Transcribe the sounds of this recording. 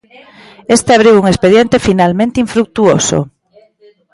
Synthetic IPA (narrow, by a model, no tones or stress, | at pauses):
est̪eaβ̞ɾiwuŋespeðjent̪efinalmẽnt̪eiɱfɾuk̚t̪uoso̰